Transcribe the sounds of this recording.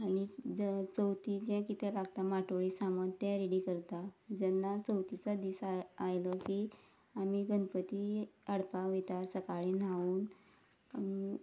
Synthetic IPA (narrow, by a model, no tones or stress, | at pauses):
añid͡zət͡səwt̪id͡ʑɛ̃kit̪ʰɛlaɡt̪amaʈoɭisaməd̪t̪ɛ̃ɾeɽikəɾt̪ad͡zɛnːat͡səwt̪it͡sad̪iːsaajləkiː | amiɡənpət̪iəɽpaʋet̪asəkaɭinauːn